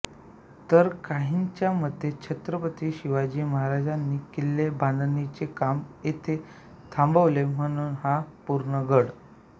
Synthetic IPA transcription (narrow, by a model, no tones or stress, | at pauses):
t̪əɾkaɦint͡ɕjaməd̪ʱːet͡ɕʰet̪ɾəpət̪iɕiʋad͡ʑiːməɦaɾad͡ʑanːiːkilːebʱand̪ənit͡ɕekamjet̪ʰe | t̪ʰambəʋlem̤əɽ̃uːnhapuɾɳəɡəɽ